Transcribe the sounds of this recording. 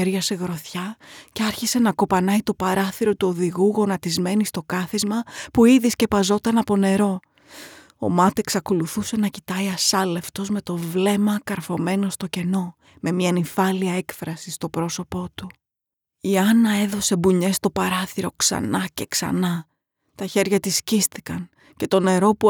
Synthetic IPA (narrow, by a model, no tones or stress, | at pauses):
eɾʝɐse̞ɣɾo̞θçɐceɐɾçise̞nɐko̞pɐnɐit̪o̞pɐɾɐθiɾo̞t̪uo̞ðiɣuɣo̞nɐt̪izme̞nist̪o̞kɐθizmɐpuiðisce̞pɐzo̞t̪ɐnɐpo̞ne̞ɾo̞ | o̞̰mɐt̪ieksɐko̞luθuse̞nɐcit̪ɐiɐsɐle̞ft̪o̞zme̞t̪o̞vle̞mɐkɐɾfo̞me̞no̞st̪o̞ce̞no̞ | me̞miɐnifɐliɐe̞kfɾɐsist̪o̞pɾo̞so̞po̞t̪u | iɐnɐe̞ðo̞se̞buɲe̞st̪o̞pɐɾɐθiɾo̞ksɐ̰nɐce̞ksɐ̰nɐ | t̪ɐçe̞ɾʝɐt̪iscist̪i̥kɐn | ce̞t̪o̞ne̞ɾo̞pu